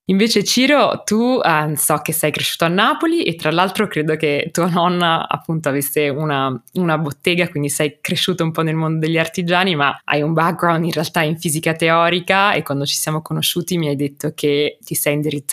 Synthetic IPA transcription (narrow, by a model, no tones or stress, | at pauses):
iɱveːt͡ʃet͡ʃiːɾot̪usɔk̟ːesːajkɾeʃːuːt̪oanːaːpoliʔet̪ːɾalːalt̪ɾokɾeːd̪oket̪ːuːanɔnːaa̰pːunt̪oavesːeunaunabot̪ːeːɡakwind̪isɛjkɾeʃːuːt̪oumpɔnelmond̪od̪eʎːiart̪id͡ʒaːnimaa̰jumbak̚ɡɾawnd̪inrealt̪aiɱfiːzikat̪eɔːɾikaḛkːwand̪ot͡ʃi̥sjaːmokonoʃːuːt̪imiajd̪et̪ːokʰet̪ːisɛjind̪iɾit̪ː